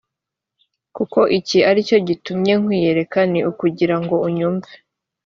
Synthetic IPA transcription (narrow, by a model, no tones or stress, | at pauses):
kuko̞ʔiciaɾico̞ɟitumɲe̞ŋ̥wiːje̞ɾe̞kaniukuɟiɾaŋɡo̞uɲuːmve